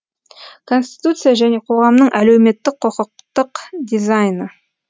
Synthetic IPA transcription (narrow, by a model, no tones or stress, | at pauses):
kʰo̞nsʲt̪ʲi̥t̪ut̪sɨjaʒæne̞qʰo̞ʁɑmnəɴʔælewme̞t̪ːɪk̚qʰoqəq̚t̪əqd̪ʲizajnə